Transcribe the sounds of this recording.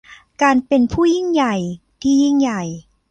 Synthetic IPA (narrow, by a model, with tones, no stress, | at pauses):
kaː˧npe˧npʰuː˥˩ji˥˩ŋja˨˩j | t̪ʰiː˥˩ji˥˩ŋja˨˩j